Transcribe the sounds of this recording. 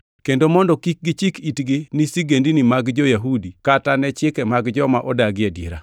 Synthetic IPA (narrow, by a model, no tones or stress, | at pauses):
kendomɔndɔkik̚ɡit͡ʃikitɡinisiɡendinimaɡd͡ʒɔjaɦudikatanɛt͡ʃɪkɛmaɡd͡ʒɔmaʔɔdaɡɪadḭɾa̰